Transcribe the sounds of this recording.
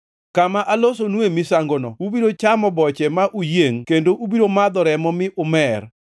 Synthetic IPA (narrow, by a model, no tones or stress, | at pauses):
kamaʔalos̬onwemisaŋɡonɔubiɾot͡ʃamɔbɔt͡ʃɛmaʔujeŋkendoʔubiɾomad̪ɔɾɛmɔmɪʔʊmɛr